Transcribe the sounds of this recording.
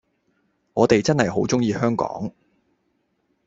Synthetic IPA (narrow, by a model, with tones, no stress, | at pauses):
ŋɔː˨˧t̪e˨jt͡sɐ˥nhɐ˨jɦo˨˥wt͡sʊ˥ŋjiː˨˧hœː˥ŋkɔ̰ː˨˥ŋ